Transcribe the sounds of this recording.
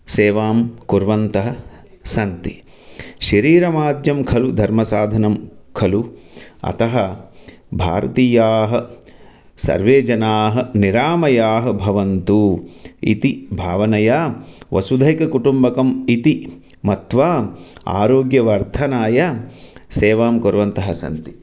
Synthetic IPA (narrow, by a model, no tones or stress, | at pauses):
seːʋaːmkuɾʋɐnt̪ɐɦɐ̆ | sɐnt̪i | ʃɐɾiːɾɐmaːd̪jɐmkʰɐlud̪ʱɐɾmɐsaːd̪ʱɐnɐmkʰɐluɐ̰t̪ɐɦɐ̆ | bʱa̰ːɾɐt̪iːjaːɦɐ̆ | sɐ̰ɾʋeːd͡ʒɐnaːɦɐ̆niɾaːmɐjaːɦɐ̆bʱɐʋɐnt̪uḭt̪ibʱaːʋɐnɐjaːʋʔɐsud̪ʱɐjkɐkuʈumbɐkɐmit̪i | mɐt̪ʋaːa̰ːɾoːɡjɐʋɐɾt̪ʰɐnaːjaseːʋaːmkoɾʋɐnt̪ɐɦɐsɐ̰nt̪i̥